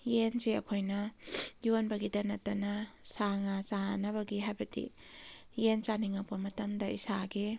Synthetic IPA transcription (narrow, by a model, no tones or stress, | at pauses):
jenseɐ̰kʰojnɐjuanbɐɡidɐnɐtɐnɐsaŋasanɐbɐɡiɦajbɐdḭjent͡ʃaniŋak̚pɐmɐtɐmdɐisaɡi